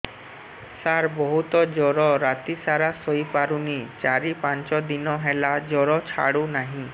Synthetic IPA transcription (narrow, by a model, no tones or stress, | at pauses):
saɾbɔɦut̪ɔd͡ʒɔɾɔɾat̪isaɾasojpaɾunit͡ʃaɾipant͡ʃɔd̪inɔɦɛlad͡ʒɔɾɔt͡ʃʰa̰ɽunaɦĩ